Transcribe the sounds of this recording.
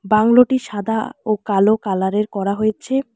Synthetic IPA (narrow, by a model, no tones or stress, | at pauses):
baŋloʈiʃad̪ʱaokalokalaɾeɾkɔɾaɦojet͡ɕʰe